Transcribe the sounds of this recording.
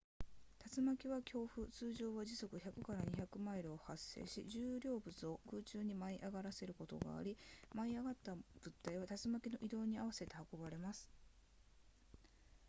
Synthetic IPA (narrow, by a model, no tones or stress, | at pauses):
t̪at͡sɨmakʲiβakʲo̞ːɸɯ̟t͡sɨːʑo̞ːβaʑiso̞kɯ̟çakɯ̟̥kaɾaɲ̟içakɯ̟maiɾɯ̟ohasːe̞̰ːɕḭʑɨːɾʲo̞ːbɯ̟t͡sɨo̞kɯːt͡ɕɨːɲ̟imaiʔaɡaɾase̞ɾɯ̟ko̞t̪o̞̰ɡa̰ːɾʲimaiaɡat̪ːab̥ɯ̟t̪ːaiβ̞at̪at͡sɨmakʲino̞ʔid̪o̞ːɲ̟iaβase̞t̪e̞hako̞baɾe̞masɨ̥